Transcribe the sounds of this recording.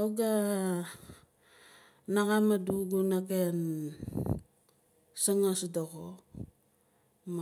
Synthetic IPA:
auɡa | naɣamaduɡunaken | saŋasdoɣo | m

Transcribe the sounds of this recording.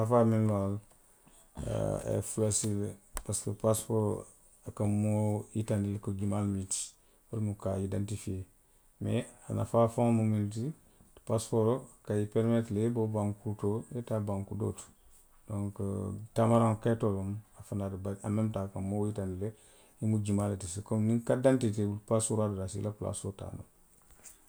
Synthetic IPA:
afaminlwal | ḛfulasilpaskəpaspoɾ | akamoitandilekoɡimalmiti̥ | olmukaidantifie | mea̰na̰fafãŋmumint̬i̥ | paspoɾokajipeɾmetlebobaŋkutojetabaŋkudo̰tu̥ | dõŋktamaɾãŋkatolomafanadbaamemtakamːojitandile | imud͡ʒimaletisikomniŋkadantiteupasuɾadudasḭlapla̰sota̰ːno̰

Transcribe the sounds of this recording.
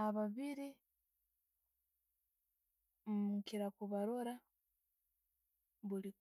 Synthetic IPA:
aβaβiɾi | ukiɾakuβaɾoɾa | βuli

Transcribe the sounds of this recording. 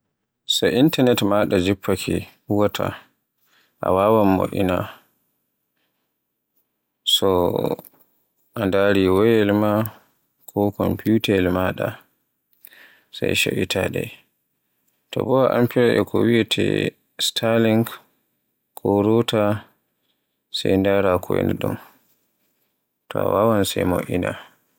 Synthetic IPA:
sɔʔintanɛtmaɗad͡ʒipʰːakʰi | uwatʰa̰ | ʔa̰wawamːo̰ʔḭna | sɔ | ʔandaɾiwɔjɛlma | kʰɔkɔmpiutalmaɗa | sajʃaʔitʰaɗɛ | tɔbɔwaʔampiɾaʔɛkʰɔwiɛtʰɛ̰ | stʰaliŋɡ | kʰɔɾɔta | sajndaɾakʰɔjɛ̰nɗṵm | tɔa̰wawansɛjmo̰ʔina̰

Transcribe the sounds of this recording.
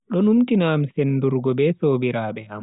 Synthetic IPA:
ɗɔnumtinamsenːduɾɡɔbɛsoːbiɾaːɓɛham

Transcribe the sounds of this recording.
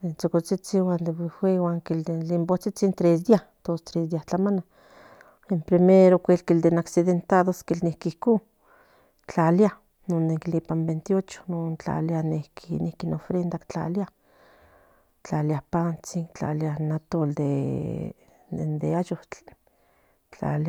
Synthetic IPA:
ent͡sokot͡sit͡siwand̪ebixwʷewaŋkild̪elimbot͡sit͡sint̪ɾesd̪iaht̪ost̪ɾesd̪iaht͡ɬamana | empɾimeɾokʷelkild̪enaksiðent̪aðoskilnihkihku | t͡ɬalja | noneklipambent̪iot͡ʃo̥nont͡ɬa̰ljanehkinihkinofɾend̪akt͡ɬa̰lja | t͡ɬaljahpant͡siŋt͡ɬa̰ljanat̪old̪ḛ | end̪eajo | t͡ɬa̰la

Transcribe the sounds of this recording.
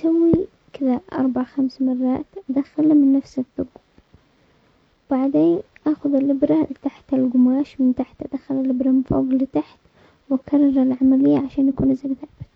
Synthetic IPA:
sawːi | kɪðaʔɑ̰ɾˤbaʕaxamsmɑrˤːɑ̰ːt̪ʔad̪axalimɪnːafsɪðʊɡ | wb̥aʕd̪eːnʔaːxʊðɪlːɪbɾalɪt̪aħt̪ɪlɡʊmaːʃmɪnt̪aħt̪ʔad̪axalalːɪbɾamnfo̰ːɡlɪt̪aħt̪ | wɪkʰɑrˤːɑɾˤalʕamalɪjːaʕaʃaːnjakuːnʔɪzːaɡθaʕbɪ

